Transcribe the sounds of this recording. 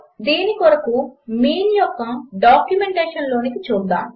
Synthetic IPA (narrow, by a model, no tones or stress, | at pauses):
d̪iːnikɔɽɐkumiːnjɔkːɐɖaːkjumeɳʈeːʂɐnlo̞ːnikit͡ʃuːd̪a̰ːm